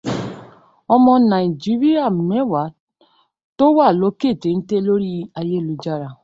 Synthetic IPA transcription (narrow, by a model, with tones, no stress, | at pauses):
ɔ˧mɔ̃˧nã˨i˨d͡ʒi˨˦ɾi˦a˦˨mɛ˨˦wa˨˦ | to˦wa˦˨lo˨˦ke˦˨te˨˦n̩˦te˦lo˦ɾi˦a˧je˦˨lu˧d͡ʒa˧ɾa˨